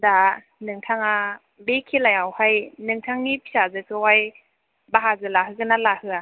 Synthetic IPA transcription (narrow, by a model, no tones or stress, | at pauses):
da | nɯŋtʰaŋa | bekʰilajawhajnɯŋtʰaŋnipʰisazɯsʰɯwaj | baɦazɯlaɦɯkɯnalahɯa